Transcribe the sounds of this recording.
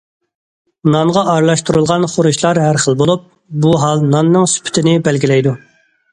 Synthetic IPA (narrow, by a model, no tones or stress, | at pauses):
nɑŋʁɑʔɑɾlˠɑʃt̪uɾulˠʁɑnχoɾuʃlˠɑɾɦæɾχəlˠbolˠup̚ | buɦɑlˠnɑnːɨŋsy̥pʰt̪ʰɪnɪbɛlɡʲilɛjd̪u